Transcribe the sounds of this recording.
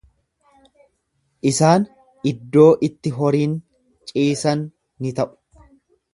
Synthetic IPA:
ʔɪsaːn | ɪd̪ːo̞ːʔɪt̪ːɪɦɔɾiːn | t͡ʃʼiːsɐnː | ɪt̪ɐʔʊ̥

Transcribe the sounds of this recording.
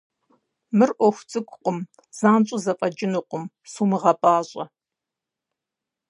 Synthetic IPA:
mɨrʔʷɔxʷt͡sʼɨkʷʼqʷʼʊm | z̥aːnt͡ʃʷʼʊzɐpʼɐd͡ʒɪnuqʷʼʊm | suːmɨʁɐpʼaːɕʼɐ̰

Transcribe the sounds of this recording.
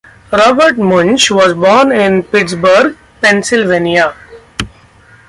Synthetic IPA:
ɾɔːbəɾʈmʊ̃nt͡ʃʋɔːzbɔːnɪ̃npɪʈsbəɾɡ | pɛ̃nsɪlʋẽːnia

